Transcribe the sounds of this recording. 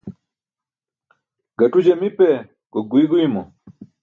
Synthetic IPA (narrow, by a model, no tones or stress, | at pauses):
ɡatud͡ʒɛmipɛ | kɔɡwiɡwimɔ